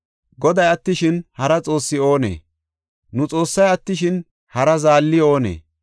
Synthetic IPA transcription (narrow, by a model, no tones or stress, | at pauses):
ɡɔd̪ɐjɐt̪ːɪʃɪnhɐɾɐt͡sʼo̞ːsːɪo̞ːnḛː | nʊt͡sʼo̞ːsːɐjɐt̪ːɪʃɪn | hɐɾɐzaːlːɪo̞ːnḛː